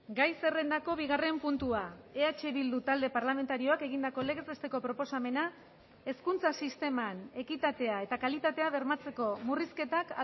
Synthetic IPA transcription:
ɡajse̞re̞nd̪ako̞βiɣare̞mpunt̪uae̞at͡ʃeβild̪ut̪ald̪e̞paɾlame̞nt̪aɾio̞ake̞ɣ̞ind̪ako̞leɣe̞zest̪e̞ko̞pɾo̞po̞same̞na | e̞skunt͡sasist̪e̞mane̞kit̪at̪e̞ae̞t̪akalit̪at̪e̞aβe̞ɾmat͡se̞ko̞muriske̞t̪ak

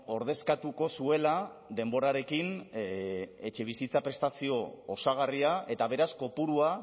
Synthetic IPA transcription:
o̞ɾð̞e̞skat̪uko̞sue̞la | d̪e̞mbo̞ɾaɾe̞kin | e̞t͡ʃe̞β̞isit͡sapɾe̞st̪asio̞ːsaɣ̞ariae̞t̪aβ̞e̞ɾasko̞puɾua

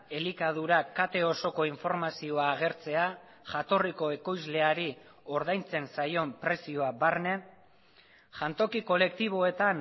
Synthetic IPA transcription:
e̞likað̞uɾakat̪e̞o̞so̞ko̞iɱfo̞ɾmasio̞aːɣ̞e̞ɾt͡se̞a | ʝat̪o̞riko̞e̞ko̞jzle̞aɾi | o̞ɾð̞ajnt͡se̞nsajo̞mpɾe̞sio̞abaɾne̞ | ʝant̪o̞kiko̞le̞k̚t̪iβ̞o̞e̞t̪an

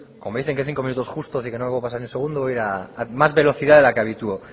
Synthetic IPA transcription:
komo̞me̞ðiθeŋkeθiŋko̞minut̪oust̪o̞sikenopasaɾenelse̞ɣ̞und̪ooiɾaːmazβelo̞θiðaðe̞lakeaβit̪uo

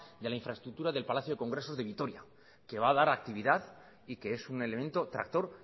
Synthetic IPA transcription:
d̪elaiɱfɾaest̪ɾuk̚t̪uɾaðelpalaθjoeko̞ŋɡɾe̞so̞zðe̞β̞it̪o̞ɾja | ke̞βaːðaɾak̚t̪iβiðað | ike̞esune̞le̞mẽ̞nt̪o̞t̪ɾa̰k̚t̪o̞ɾ

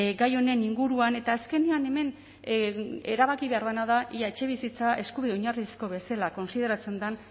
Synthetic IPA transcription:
ɡajo̞ne̞niŋɡuɾuane̞t̪aːske̞niane̞me̞n | e̞ɾaβakiβe̞aɾðanað̞aʔiaet͡ʃe̞βisit͡sae̞skuβiðe̞oɲarisko̞βe̞selako̞nsið̞e̞ɾat͡se̞nd̪an

